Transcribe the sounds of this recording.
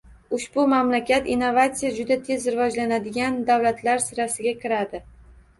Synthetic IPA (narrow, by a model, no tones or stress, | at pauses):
ʊʃbʊmamlakʲat̪inːo̞vat̪sijad͡ʒʊd̪at̪ʰe̞zɾɪvɒd͡ʒlanad̪ɪɡʲand̪awlat̪ʰlaɾsɪɾasɪɡʲakʲɪɾad̪ɪ